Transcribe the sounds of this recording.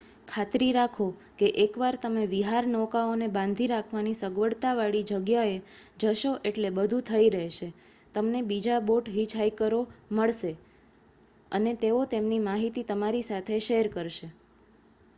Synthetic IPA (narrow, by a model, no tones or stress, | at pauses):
kʰat̪ɾiɾakʰo | keʔekʋaɾt̪əmeʋiɦaɾnɔkaonebãnd̪ʱiɾakʰʋanisəɡʋəɽt̪aʋaɭid͡ʒəɡjaed͡ʒəʃoʔeʈlebəd̪ʱũt̪ʰəiɾəɦʃe | t̪əmnebid͡ʒaboʈɦid͡ʒɦajkəɾoməɭʃe | ənet̪eot̪emnimaɦit̪it̪əmaɾisat̪ʰeʃeɦɾkəɾʃe